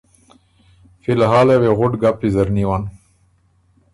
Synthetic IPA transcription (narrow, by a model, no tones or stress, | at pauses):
filɦaːleweɣʊʈɡapːizaɾniwan